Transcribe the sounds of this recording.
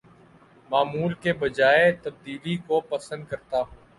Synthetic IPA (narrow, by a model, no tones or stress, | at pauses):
maːmuːlkebəd͡ʒaːet̪əb̚d̪iːlikopəsə̃nd̪̚kəɾt̪aː